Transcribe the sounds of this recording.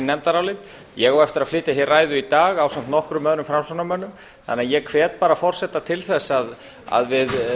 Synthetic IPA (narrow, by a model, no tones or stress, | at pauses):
nːɛmt̪aɾawlɪt̪ | jɛɣowɛft̪ɪɾaðflɪːt̪ɪçɛraːjðʏit̪aːɣawsam̥t̪nɔhkɾʏmːœðɾʏmfɾamsɔnamœnːʏm | θa̰nɪajɛkʰvɛːt̪̚paːɾafɔr̥sɛt̪at̪ʰɪlθɛsːað | a̰ðvɪð